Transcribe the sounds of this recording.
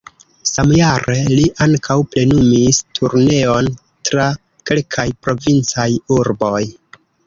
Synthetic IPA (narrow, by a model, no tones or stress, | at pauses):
samjaɾeliʔaŋkʰawple̞numistʰuɾne̞o̞n | tɾa | ke̞lkʰajpɾo̞vint͡sajuɾbo̞j